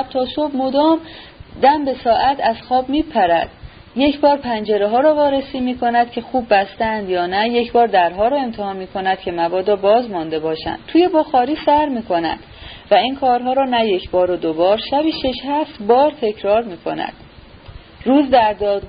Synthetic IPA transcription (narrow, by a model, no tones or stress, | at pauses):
b̥̚t̪ʰɒːsobmo̞d̪ɒːm | d̪æmbe̞sɒːʔæt̪ʰæz̥xɒːbmiːpʰæɾæd̪̥̚ | je̞cʰbɒːɾpʰænd͡ʒe̞ɾeɦɒːɾɒːvɒːɾesiːmiːkʰo̞næd̪̥̚cʲʰe̞xuːbːæst̪eænd̪jɒːnæje̞cʰbɒːɾd̪æɾɦɒːɾɒːe̞mt̪ʰehɒːnmiːkʰo̞næd̪̥̚cʰe̞mævɒːd̪ɒːbɒːzmɒnd̪e̞bɒːʃæ̰nd̥̪̚t̪ʰuːje̞boxɒːɾiːsæɾmiːkʰo̞næ̰d̪̥væiːnkʰɒːɾɦɒːɾɒːnæjecʰbɒːɾod̪obɒːɾʃæbiːʃeʃhæft̪bɒːɾt̪ʰe̞cʰɾɒːɾmiːkʰo̞̰næ̰d̪̥ | ɾuːzd̪æɾd̪ɒːd̪ɡ